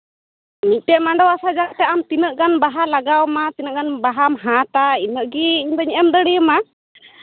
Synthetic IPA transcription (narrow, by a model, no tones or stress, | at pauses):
mic̪̚ʈɛmaɳɖɔwasad͡ʒaʔt̪ɛamt̪inəʔɡanbaɦalaɡawmat̪inəʔɡanbaɦamɦãt̪ainəʔɡiind̪ɔɲɛʔɛmd̪əɽijəma